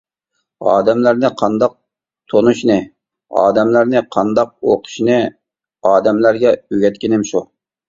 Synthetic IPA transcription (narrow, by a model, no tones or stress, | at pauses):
ɑ̰ːd̪ɛmlæɾnɪqʰɑnd̪ɑq̚ | t̪ʰonuʃnɨ | ɑ̰ːd̪ɛmlæɾnɪqʰɑnd̪ɑq̚oqʰʊ̥ʃnɨ | ɑːd̪ɛmlæɾɡʲɛøɡʲɛt̪kʲinɪmʃu